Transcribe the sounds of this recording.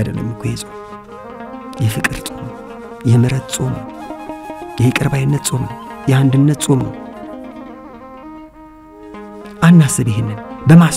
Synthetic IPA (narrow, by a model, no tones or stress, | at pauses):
d̪ə̰lːə̰mːkʰojesʼom | jɛfɨkʼɨɾt͡sʼomnəw | jɛmɨɾət̪t͡sʼo̞mnəw | jɛhekʼɨɾbajɨnːət̪sʼo̞mnəwjɛand̪ɨnːət̪t͡sʼo̞mnə̰w | ʔanːasɨbeɦemɨnbəmas